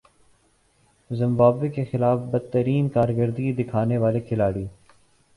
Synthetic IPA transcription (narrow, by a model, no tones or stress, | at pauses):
zɪ̃mbaːbːekexɪlaːfbɐd̪̚t̪əɾiːnkaːɾɡəɾd̪ɡid̪ɪkʰaːneʋaːlekʰɪlaːɽiː